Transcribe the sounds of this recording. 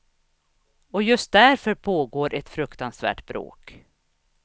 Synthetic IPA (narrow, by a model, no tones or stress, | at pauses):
ɔjɵst̪̚d̪æɾfœɾpʰoːɡoːɾʔɛt̪fɾɵkt̪ansvæ̰ːʈbɾo̰ːk